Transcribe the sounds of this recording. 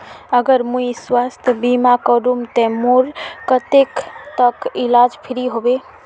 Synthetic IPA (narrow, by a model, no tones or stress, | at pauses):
əɡəɾmuiswast̪ʰbimakəɾumt̪emuɾkət̪ekt̪əkilad͡ʒpʰiɾiɦobe